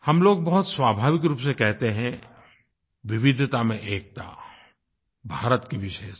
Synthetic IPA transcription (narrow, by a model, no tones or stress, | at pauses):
hɐmloːɡ̚bɐɦʊt̪swaːbʱaːʋɪk̬ɾuːpsekɛɦt̪eɦɛ̃ | ʋɪʋɪd̪ʱt̪amẽʔeːk̚t̪a̰ | bʱaːɾət̪kiʋɪʃe